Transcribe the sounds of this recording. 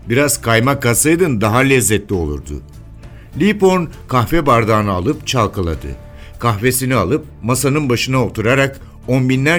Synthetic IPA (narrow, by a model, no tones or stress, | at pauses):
biɾaz̥kʰajmakasɯjd̪ɯnd̪aɦalʲɛzːɛt̪lʲio̞lˠṵɾd̪ʊ̰ | lʲipo̞nkʰahfɛbaɾd̪aːnɯalˠɯpt͡ʃʰalˠkʰɯlˠa̰d̪ɯ̰ | kʰaxve̞sinialˠɯp̚masanɯnbaʃɯnaot̪ʰuɾaɾak | o̞nbinlʲæ